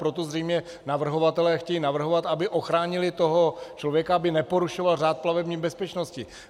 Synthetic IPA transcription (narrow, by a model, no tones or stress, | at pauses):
pɾot̪ozrɛjmɲɛ | navr̩ɦo̞vat̪ɛlɛːxcɛjiːnavr̩ɦovat̪abɪʔo̞xɾaːɲɪlɪt̪o̞ɦo̞t͡ʃlovjɛkaabɪnɛpo̞ɾuʃovalraːt̪̚plavɛbɲiːbɛspɛt͡ʃnoscɪ